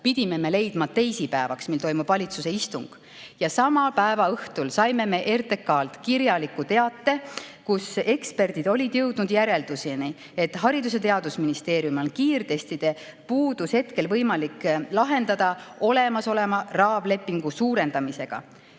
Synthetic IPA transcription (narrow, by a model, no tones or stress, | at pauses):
pid̪̥ʲime̞me̞le̞jd̪̥mɑt̪e̞jsipæevɑksmilt̪o̞jmub̥vɑlʲit̪suse̞ist̪uŋɡ̥ | jɑsɑmɑpæevɑɤht̪ulsɑjme̞me̞ʔe̞rt̪e̞kːˑɑːlt̪kiɾjɑlikːut̪e̞ɑt̪ːe̞kuse̞kspe̞rd̪id̪̥o̞lʲid̪jɤwd̪nud̪̥jæɾe̞ld̪̥usini | e̞t̪ɦɑɾid̪us̬e̞t̪e̞ɑd̪̥usminist̪e̞ːɾjumo̞nkiːrt̪e̞st̪id̪̥e̞ | puːd̪̥ushe̞t̪ke̞lvɤjmɑlikːlɑɦe̞nd̪̥ɑd̪̥ɑo̞le̞mɑso̞le̞mɑrɑːble̞pːˑiŋɡ̥usuːɾe̞nd̪̥ɑmise̞ɡ̥ɑ̰